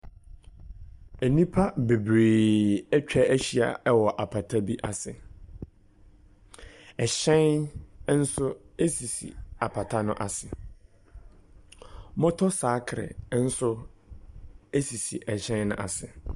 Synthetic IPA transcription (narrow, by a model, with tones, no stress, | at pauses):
æ˨nĩ˦pʰa˦be˨bɾeː˨ɛ˦t͡ɕᶣa˦æ˦ɕi˦˨a̰˨ɛ˦wɔ˨ʔa˨pʰa˨tʰa˦bi˦ʔa˨sɪ˨ | ɛ˨ɕɛ̃˦n˦n̩˦sʊ˦e˦si˨sḭ˨a˨pʰa˨tʰa˦nʊ̃˦ʔa˨sɪ˨ | mɔ̃˦tʰɔ˦saː˨˦kʰɾɪ̰˨˦n̩˦sʊ˦ | e˦si˨sḭ˨ʔɛ˨ɕɛ̃˦nnʊ̰̃˦ʔa̰˨sɪ˨